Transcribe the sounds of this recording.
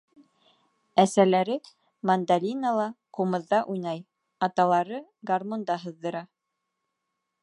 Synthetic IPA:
æsælæɾɘ | mand̪alʲinalˠɑqumɤ̆ðːɑʔujnɑj | ɑt̪ɑlˠɑɾɤɡarmond̪ɑɦɤ̆ðːɤ̆ɾɑ

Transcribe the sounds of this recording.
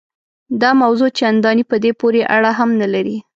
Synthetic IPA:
d̪ɑmawzot͡ʃand̪ɑnipəd̪epoɾeʔaɽaɦamnalaɾi

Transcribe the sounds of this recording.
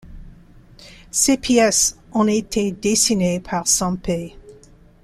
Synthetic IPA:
sepʰjɛsɔ̃et̪ʰed̪esinepʰaʁsɔ̃pe

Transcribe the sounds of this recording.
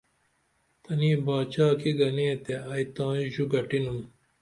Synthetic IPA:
t̪ɐniːbaːt͡ɕaːkiɡɐnẽːt̪eɐit̪ãːĩʑuɡɐʈinun

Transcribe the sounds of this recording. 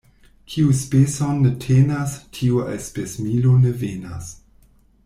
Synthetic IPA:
kʰiuspesonːetʰenastʰiuʔḛspesmilonevenas

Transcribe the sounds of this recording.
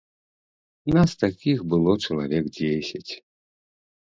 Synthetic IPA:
nast̪akʲixbɨlˠɔt͡ʂɐlˠa̰vʲɛkd͡zʲesʲɐt͡sʲ

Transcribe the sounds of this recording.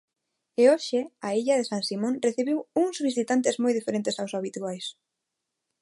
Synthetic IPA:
eoʃɪaiʎaðesãŋsimõnreθiβiwuŋzβisit̪ant̪ɪzmojðifeɾẽnt̪ɪsawsaβit̪uajs

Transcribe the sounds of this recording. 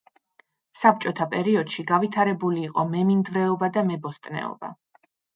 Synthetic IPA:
sap̚t͡ʃʼɔt̪ʰapʼɛɾiɔd̪̥ʃiɡavit̪ʰaɾɛbuliːqʼɔmɛmind̪vɾɛɔbad̪amɛbɔst̪ʼnɛ̰ɔ̰ba̰

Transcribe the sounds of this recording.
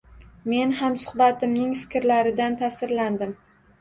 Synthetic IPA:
me̞nhamsʊ̥hbat̪ʰɪmnɪŋfɪ̥kʲɾlaɾɪd̪ant̪ʰasɪɾland̪ɪm

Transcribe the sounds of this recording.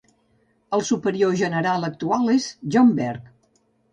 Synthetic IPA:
əlˠsupəɾioʒənəɾalˠək̚t̪ualˠezʒɔmbɛɾk

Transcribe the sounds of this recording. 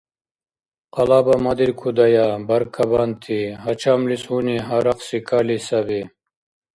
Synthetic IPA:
qɐlaːbamad̪iɾkʰud̪ɐjabɐɾkʰɐbant̪ʰiɦɐt͡ʃʰamlisuniɦaɾaqsikʰalisɐbi

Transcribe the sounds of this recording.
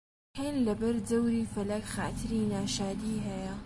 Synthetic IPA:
henlɐbɐɾd͡zɐwɾiːfɐlɐkxa̰ːt̪ʰɨɾinaːʃaːd̪iɦɐjɐ

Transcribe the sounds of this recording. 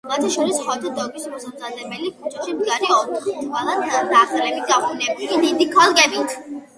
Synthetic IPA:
vat̪ʰaʃɔɾishɔt̪ʰad̪ɔɡismɔsamzad̪ɛbɛlikʰut͡ʃʰʼaʃimɡaɾiɔt̪ʼwalˠad̪ɾaχɾɛbiɡapnɛbiskid̪id̪ikʰalˠkʼɛbit̪ʰ

